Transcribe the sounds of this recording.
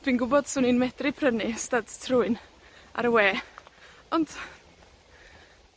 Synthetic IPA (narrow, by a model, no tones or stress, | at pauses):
d̥winɡʊbɔd̥sʊːninmɛdrɪpʰrənɪstadtʰrʊɨn | a̰ɾəweː | ɔnd̥